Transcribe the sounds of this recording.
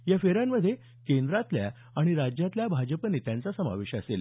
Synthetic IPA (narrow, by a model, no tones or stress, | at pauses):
jafeɾamːəd̪ʱje | kend̪ɾat̪lja̰ | aɽ̃iɾad͡ʑjat̪ljabʱad͡ʑəpənet̪jãnt͡sasəma̰ʋeɕasel